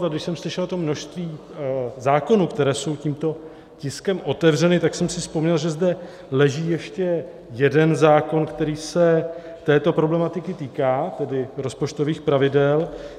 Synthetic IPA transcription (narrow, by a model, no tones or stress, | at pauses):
taɡdɪʃsɛmslɪʃɛlt̪omno̞ʃst̪viː | zaːko̞nukt̪ɛɾɛːso̞wciːmt̪o̞ | cɪskɛmʔo̞t̪ɛvrɛnɪt̪aksɛmsɪfspo̞mɲɛlʒɛzdɛ | lɛʒiːjɛʃcɛ | jɛdɛnzaːko̞nkt̪ɛɾiːsɛ | t̪ɛːt̪o̞pɾo̞blɛmat̪ɪkɪt̪iːkaːt̪ɛdɪɾo̞spo̞t͡ʃt̪o̞viːxpɾavɪdɛl